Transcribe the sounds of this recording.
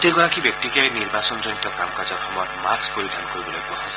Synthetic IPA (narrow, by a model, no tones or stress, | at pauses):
teɡɔɹakibjɔk̚tikjajniɹbasɔnzɔnit̪ɔkamkazɔxɔmɔjɔtmakspoɹid̪ʱankoɹibɔlo̰jkuaas